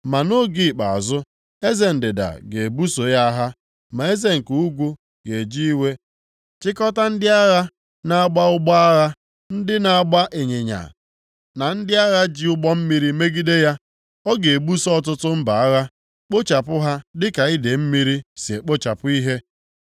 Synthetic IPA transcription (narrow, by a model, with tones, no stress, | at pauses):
ma˨no˦ɡi˨k͡pa̰˨zʊ˦ | e˦ze˦˨n̩˨dɪ˨da̰˨ɡe˨bu˦so˨ja˦ɦa˦ | ma˨e˦ze˦ŋ̩˨ku˨u˦ɡʷu˦ | ɡ̥e˨d͡ʒi˦i˦we˦ | t͡ʃɪ˦kɔ˦ta˦n̩˦dɪ˦a˦ɣa˦ | na˨a˦ɡ͡ba˦ʊ˦ɡ͡bɔ˦a˦ɣa˦ | n̩˦dɪ˦na˨a˦˨ɡ͡ba˦ʔe˨ɲe˨ɲa̰˨ | na˨n̩˦dɪ˦a˦ɣa˦d͡ʒi˦ʊ˦ɡ͡bɔ˦m̩˦mi˦ɾi˦me˦ɡi˦de˦ja˦ | ɔ˦ɡe˨e˨bu˦sɔ˦ɔ˦t̬ʊ˦tʊ˦m̩˦ba˨a˦ɣa˦ | k͡po˦t͡ʃa˨pʊ˦ɦa˦dɪ˦ka˨i˦de˨m̩˦mi˦ɾi˦si˨e˨k͡po˦t͡ʃa˨pʊ˦i˦ɦe˦